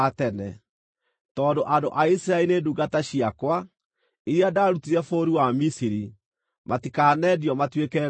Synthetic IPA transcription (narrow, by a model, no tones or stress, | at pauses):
atɛnɛ | tɔːndoʔadoʔaisiɾaeineduɡataɕiakwa | iɾiadaɾutiɾɛfoːɾiwamisiɾi | matikanɛdjɔmatwekɛ